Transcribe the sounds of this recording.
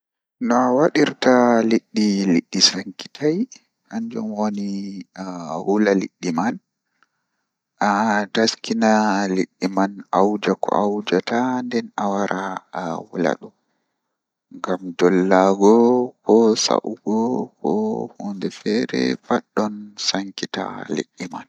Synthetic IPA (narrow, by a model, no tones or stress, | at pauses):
nɔawaɗiɾtaliɗːiliɗːisaŋki̥tʰaj | haɲd͡ʒɔmwoni | wulalḭɗːiman | ʔadaskinaliɗːimanawd͡ʒakʰɔ̰awd͡ʒatandɛnawaɾʔawula̰ɗum | ŋɡamdɔlːaɡɔkʰɔsa̰ʔuɡɔkʰɔ̰hɔndɛfɛɾɛ̰faɗːɔnsaŋkita̰lḭɗːiman